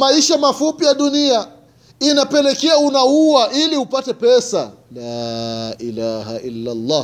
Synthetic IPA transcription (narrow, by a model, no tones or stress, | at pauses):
maiʃamafupijaɗunia | inapɛlɛkɛaunauaʔiliupatɛpɛsa | laʔilaha̰ʔilːalˤːaː